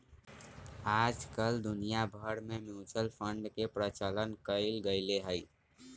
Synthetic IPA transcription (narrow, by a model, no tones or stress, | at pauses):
ad͡ʒkəld̪unijabʱəɽmemjũt͡ʃəlpʰəɳɖkepɾət͡ʃələnkəɪlɡəɪleɦəɪ